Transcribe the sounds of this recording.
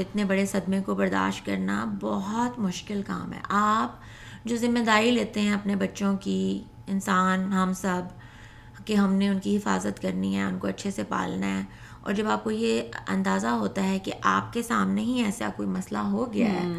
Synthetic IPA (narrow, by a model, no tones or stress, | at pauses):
ɪt̪nebɐɽesɐd̪mẽkobɐɾd̪a̰ːʃt̚kɐɾna̰bɔɦɔt̪mʊʃkɪlka̰ːmɦɛ̰ːʔaːp̚ | d͡ʒoːzɪmːed̪aːɾileːt̪eɦɛ̃ɐpnebɐtːʃõki | ɪnsaːnɦɐmsɐb | keɦɐmneʊnkiɦɪfaːzət̪kɐɾniɦɛʊnkoɐtːʃʰesepa̰ːlnaɦɛː | ɔ̰ːɾd͡ʒɐbaːp̚kojeɐ̰̃nd̪aːzaɦoːt̪aɦɛkeʔaːp̚kesaːmneɦĩɛːsa̰koːimɐslaɦoɡɪja̰ɦɛ̰ː